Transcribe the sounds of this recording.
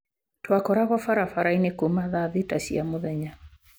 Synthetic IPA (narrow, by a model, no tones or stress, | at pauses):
twakɔɾaɣɔfaɾafaɾainekomaðaðitasiamoðɛɲa